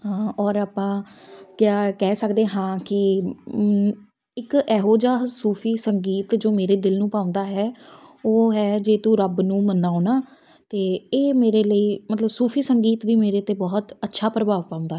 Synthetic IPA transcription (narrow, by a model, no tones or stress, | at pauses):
ɦaːɔːɾaːpãːkjaːkɛːsəkd̪eːɦãːkɪ | ɪkɛːɦoːd͡ʒaːsuːpʰiːsəŋɡiːt̪d͡ʒoːmeːɾeːd̪ɪlnũːpaːʊ̃nd̪aːɦɛːoːɦɛːd͡ʒeːt̪ũːɾəbnũːmənaːoːnaː | t̪eːeːmeːɾeːləiːmət̪ləbsuːpʰiːsəŋɡiːt̪ʋiːmeːɾeːt̪eːbɔːt̪ətːʃʰaːpɾəbaːʋpãːʊ̃nd̪aːɦ